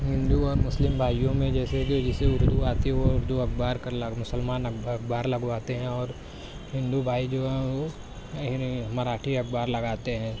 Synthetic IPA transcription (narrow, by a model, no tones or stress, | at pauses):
ɦɪ̃nd̪uɔːɾmʊslɪmbʱaːjjõmẽd͡ʒɛːseked͡ʒɪseʊɾd̪uaːt̪ioʊɾd̪uɐk̚ʰbaːɾkɐɾlɐmʊsəlmaːnɐkʰbaːɾlɐɡʋaːt̪eɦɛ̃ɔːɾ | hɪ̃nd̪ubʱaːid͡ʒoːɦɛ̃ʋo | maɾaːʈʰiɐk̚ʰbaːɾlɐɡaːt̪eɦɛ̃ː